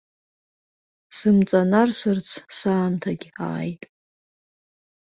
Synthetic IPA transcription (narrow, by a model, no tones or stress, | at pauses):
sɨmt͡sʼanarsɨrt͡sʰsaːmtʰaɡʲa̰ːjtʼ